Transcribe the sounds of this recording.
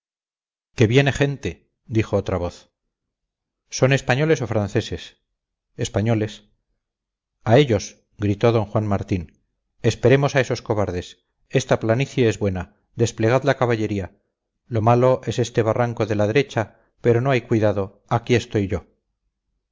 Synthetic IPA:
ke̞βje̞ne̞χe̞nt̪e | d̪ixo̞ot̪ɾaβo̞θ | so̞ne̞spaɲo̞le̞so̞fɾanθe̞se̞s | espaɲo̞le̞s | ae̞ʎo̞s | ɡɾit̪o̞ðo̞ŋxwanmaɾt̪in | e̞spe̞ɾe̞mo̞saeso̞sko̞βaɾðe̞s | e̞st̪aplaniθjaezβwe̞na | d̪e̞sple̞ɣ̞aðlakaβaʎe̞ɾia | lo̞malo̞ʔe̞se̞st̪e̞βaraŋko̞ðe̞laðe̞ɾe̞t͡ʃa | pe̞ɾo̞no̞ajkwiðaðo̞ | akie̞st̪o̞jʝo̞

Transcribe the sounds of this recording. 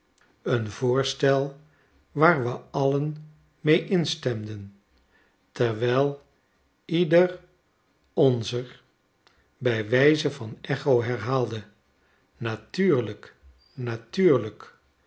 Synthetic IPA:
ənvʊːɹstɛlˠ | ʋaːɹʋəɑlən | mejʔɪnstɛmdən | tɛɹʋɛjlˠ | idər | ɔnzəɹ | bɛjʋɛjzəvɑnɛχowɦɛɹɦaːlˠdə | natyːɹlək | natyːɹlək

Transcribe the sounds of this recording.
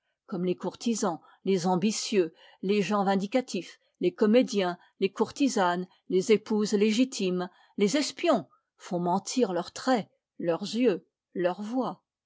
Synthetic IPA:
kɔmlekuʁt̪izɑ̃ | lezɑ̃bisjø | leʒɑ̃vɛ̃d̪ikat̪ʰif | lekɔmed̪jɛ̃ | lekuʁt̪izan | lezepuzleʒit̪ʰim | lezɛspjɔ̃ | fɔ̃mɑ̃t̪ʰiʁlœʁt̪χɛ | lœʁzjø | lœʁvwa

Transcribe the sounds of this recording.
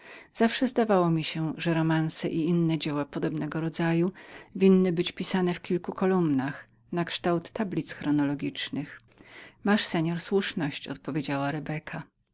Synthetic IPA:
z̥afʂɛzd̪avawɔmʲiɕɛʐɛɾɔmansɛ̰ʔiinːɛd͡ʑɛwapɔd̪ɔbnɛɡɔɾɔd̪zajuvʲinːɘbɘt͡ɕpʲisanɛfkʲilkukɔlumnax | nakʂt̪awt̪ːablʲit̪sxɾɔnɔlɔɡʲit͡ʂnɘx | maʂsɛɲɔɾswuʂnɔɕt͡ɕɔ̰t̪̚pɔvʲjed͡ʑawaɾɛbɛkʰa

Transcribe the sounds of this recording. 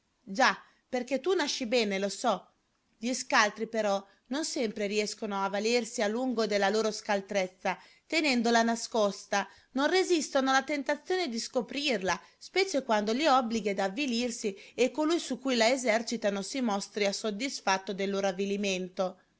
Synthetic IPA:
d͡ʒa | perket̪unaʃːibɛːnelosɔ | ʎiskalt̪ɾipeɾɔ | nonsɛmpɾeɾiɛskonoavalersialːuŋɡod̪elːaloːɾoskalt̪ɾet̪sːa | t̪enɛnd̪olanaskɔst̪a | nonrezist̪onoalat̪ent̪at̪sːjoːned̪iskopɾirla | spɛːt͡ʃekwand̪oliɔbliɡed̪avːilirsiekːolujsukːujlaezɛrt͡ʃit̪anosimɔst̪ɾiasod̪ːisfat̪ːod̪elːoːɾoavːiliment̪o

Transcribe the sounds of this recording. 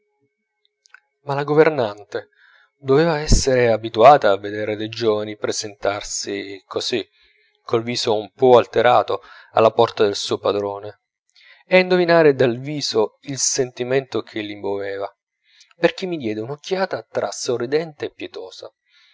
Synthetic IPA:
malaɡovernant̪e | d̪oveːvaɛsːeɾeabit̪uaːt̪aːvːed̪eːɾed̪ejd͡ʒoːvanipɾezent̪arsikʰozi | kʰːolviːzoumpɔalt̪eɾʔaːt̪o | a̰lːapɔrt̪ad̪elsuːopad̪ɾoːne | ɛaind̪ovinaːɾed̪alviːzoilsent̪iment̪ok̟ʰelːimbovɛːva | perk̟imːid̪jɛːd̪eunokʰːjaːt̪at̪ɾʔa̰sorːid̪ɛnt̪eːpːjet̪oːza̰

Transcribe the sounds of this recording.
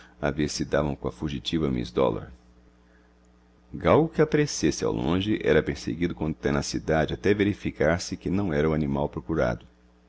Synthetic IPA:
a̰veɾsɪd̪avɐ̃w̃kõɐ̰fuʒit͡ʃivɐmḭzd̪ɔ̰lo̰ɾ | ɡawɡʊkɪapaɾesesɪa̰wlõ̰ʒɪʔɛ̰ɾɐpeɾsḛɡid̪ʊkõt̪ɛnɐsid̪ad͡ʒɪat̪ɛveɾifikaɾsɪkɪnɐ̃w̃ɛɾɐanimawpɾokuɾa̰d̪ʊ

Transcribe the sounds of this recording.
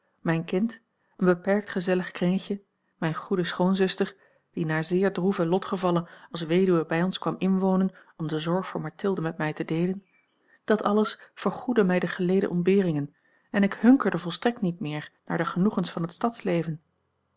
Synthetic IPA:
mɛjnkɪnt | ənbəpɛɹk̚tχəzɛləχkrɪŋçə | mɛjnχudəsχoːnzɵstəɹ | d̥inaːɹzɪːɹdruvəlɔtχəvɑlənɑlˠsʋejdyʋəbɛjɔnskʋɑmɪnʋownən | ɔmdəzɔɹχfʊːɹmɑɹtʰɪlˠdəmɛt̚mɛjtədejlən | d̥ɑtɑləsfəɹχudəmɛjdəχəlejdə̰ʔɔmbɪːrɪŋən | ɛnɪkhɵŋkəɹdəvɔlˠstrɛk̚tnit̚mɪːɹnaːɹdəχənuχənsfɑnɦətstɑtslejvən

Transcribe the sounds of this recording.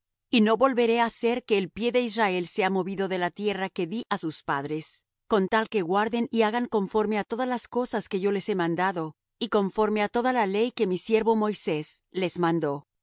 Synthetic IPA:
ino̞βo̞lβe̞ɾe̞ase̞ɾke̞ːlpje̞ðe̞israe̞lse̞amo̞βiðo̞ðe̞lat̪je̞rake̞ðiʔasuspa̰ðɾe̞s | ko̞nt̪alke̞ɣwaɾðe̞niaɣaŋko̞ɱfo̞ɾme̞at̪o̞ðazlasko̞saske̞ʝo̞le̞se̞mãnd̪aðo̞ | iko̞ɱfo̞ɾme̞at̪o̞ðalale̞jke̞misje̞ɾβo̞mo̞jse̞sle̞zmãnd̪o̞

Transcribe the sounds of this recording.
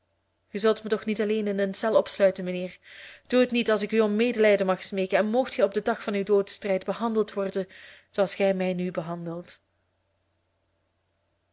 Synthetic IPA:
χəzɵlˠtmətɔxnitɑleːnɪnənsɛlˠɔpslœɥtənməneːrd̥uɦətnitɑlˠsɪkyɔmmeːdəlɛjdənmɑxsmeːkənɛnmoxtxɛɔb̚dədɑxfɑnywdoːdəstrɛjdbəɦɑndəlˠtʋɔrdənz̥oɑlˠsxɛjmɛjnybəɦɑndəlˠt

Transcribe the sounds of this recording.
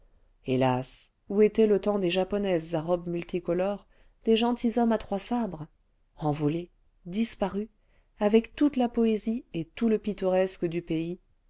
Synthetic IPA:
elas | uet̪ɛlət̪ɑ̃d̪eʒapɔnɛzːaʁɔbmylt̪ʰikɔlɔʁ | d̪̥eʒɑ̃t̪ʰizɔmat̪χwasabʁ | ɑ̃vɔle | d̪ispaʁy | avɛkt̪ut̪lapɔeziet̪uləpit̪ɔʁɛskəd̪ypei

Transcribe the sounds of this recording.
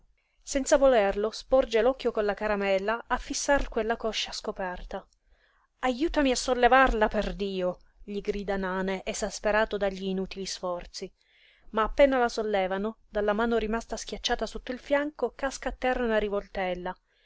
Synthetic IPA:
sɛnt̪savolɛrlospɔrd͡ʒelɔkːjokonlakaɾamɛlːaafːisːarkwelːakɔʃːaskopɛrt̪a | ajuːt̪amiasːolːevarlaperd̪iːo | ʎiɡɾiːd̪anaːneʔezaspeɾaːt̪od̪aʎːiːnuːt̪ilisfɔrt̪si | maːpːɛːnalasolːɛːvanod̪alːamaːnoɾimast̪askjat͡ʃːaːt̪asot̪ːoilfjaŋkokaskaːt̪ːɛraunaɾivolt̪ɛlːa

